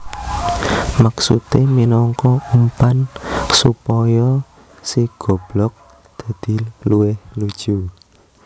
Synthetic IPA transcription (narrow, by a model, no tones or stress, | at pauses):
maksṵt̪eminɔŋkɔumpansupɔjɔ | siɡ̥ɔ̤b̥lɔk̚ | d̪̥a̤d̪̥i̤luwɪhlud̥ʒ̥u